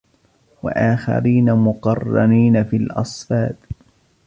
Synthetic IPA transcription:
wa̰ʔaːxa̰ɾiːnamʊqɑrˤːɑniːnafilʔɑsˤfɑːt̪

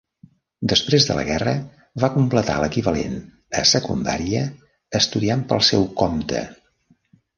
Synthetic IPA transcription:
d̪əspɾezðələ̰ɣɛrə | βakumplət̪a̰ləkiβəlḛn | əsəkund̪a̰ɾiəː | st̪uðiampəlˠsɛwkɔmt̪ə̰

